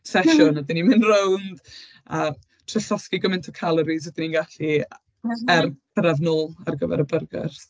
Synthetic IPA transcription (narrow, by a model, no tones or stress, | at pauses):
sɛʃʊnədɪnimɪnrownd̥ | a | tʰrɛɬɔskiɡɔmɛntʰɔkʰalˠəɾiz̬wɛdɪninɡaɬi | ɛrpʰəɾavnʊlˠa̰rɡəvɛ̰ɾəbərɡɛ̰rθ